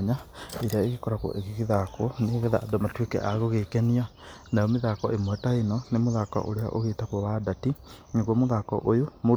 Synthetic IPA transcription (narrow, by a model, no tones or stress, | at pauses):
ɲaeɾaeɣekɔɾako̰ʔeɣiɣiðakɔneɣɛða̰ʔːdomatwekɛ̰ʔaɣoɣekɛnia | najɔmeðakɔʔemwɛtaenɔnemoðakɔ̰ʔo̰ɾea̰ʔo̰ɣetakwɔβadati | ɲeɡkwamoðakɔ̰ʔojomo